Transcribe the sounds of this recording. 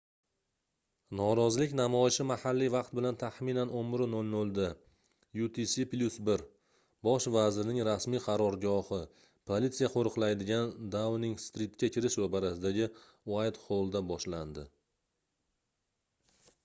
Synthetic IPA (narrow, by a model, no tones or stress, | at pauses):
nɒɾɒzlɪkʲnamɒɪʃɪmahalːijvɑqt̪̚bɪlant̪ʰaχminanommɪɾɪnolnolˠd̪a | jut̪ʰisiplʲusbɪɾ | bɒʃvazɪɾɪnɪŋɾasmijqʰɑɾɒɾɡɒhɪ | pʰolit̪sijaqʰoɾɨqlˠajd̪ɪɡʲand̪awnɪŋst̪ɾit̪̚kʲakʲʰɪɾɪʃvabaɾasɪd̪aɡʲɪ | wajd̪qʰolˠd̪abɒʃland̪ɪ